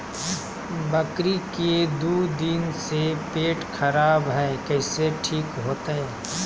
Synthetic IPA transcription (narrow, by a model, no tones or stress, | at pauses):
bɐkɾiked̪uːd̪insepeːʈxʰɐɾaːbɦɛːkɛːseʈʰiːkɦoːt̪ɦɛ̃ː